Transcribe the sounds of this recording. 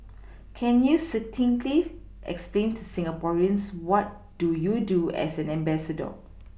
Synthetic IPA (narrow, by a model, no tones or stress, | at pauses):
kʰɛ̃njusitʰĩŋli | ʔɛ̰ksplẽntusĩŋapɔɹiə̃nswɔt̚ | d̥ujuduɛ̰sɛ̃nɛ̃mbɛsədə̰